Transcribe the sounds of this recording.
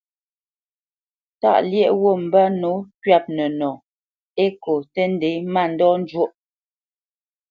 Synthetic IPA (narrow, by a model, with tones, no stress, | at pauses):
ta̰˦˨ʔljɛ˦ʔwo˦˨m̩˨bə˦no˨˦kɥa˦˨p̚nə˨nɔ˨ | e˦ko˨tə˦n̩˦de˨˦ma˦˨n̩˦dɔ˦n̩˦d͡ʒwo˦˨ʔ